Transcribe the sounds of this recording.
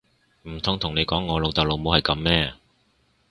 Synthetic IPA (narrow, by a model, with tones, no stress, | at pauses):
m̩˨˩t̪ʰʊ˨ŋt̪ʰʊ˨˩ŋne˨˧jkɔː˨˥ŋːɔː˨˧lo˨˧wt̪ɐ˨˩lo˨wmo˨˧whɐ˨jkɐ˨˧˥mːɛː˥˧